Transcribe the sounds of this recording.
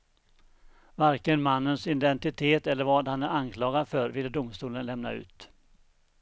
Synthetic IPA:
vaɾkənmanːənsɪd̪ɛnt̪ɪt̪ʰeːt̪ɛlːəɾvɑːd̪hanæɾankʰlɑːɡad̪fœɾvɪlːəd̪ʊmst̪uːlənlɛmna̰ʉ̟̰ːt̪

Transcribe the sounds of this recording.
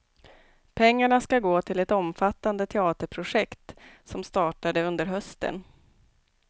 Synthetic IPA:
pʰɛŋːaɳaskaɡoːt̪ʰɪlɛt̪ɔmfat̪ːand̪ət̪ʰɛɑːt̪əɾpʰɾʊʂɛkt̪sɔmst̪ɑːʈad̪əɵnd̪əɾɦœst̪ə̰n

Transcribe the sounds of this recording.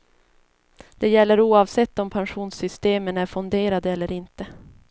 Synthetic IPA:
d̪̥ɛjɛlːəɾuːɑvsɛt̪ːɔmpʰanɧuːnsʏst̪eːmənæɾfɵnd̪eːɾad̪əɛlːəɾɪnt̪ə

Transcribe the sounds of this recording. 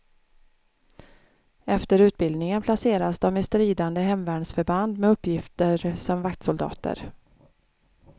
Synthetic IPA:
ɛft̪əɾʉ̟ːt̪̚bɪld̪nɪŋənpʰlaseːɾasd̪ɔmɪst̪ɾiːd̪and̪əɦɛmvæːɳsfœɾband̪mɛɵpːjɪft̪əɾsɔmvakt̪sʊld̪ɑ̰ːt̪ə̰ɾ

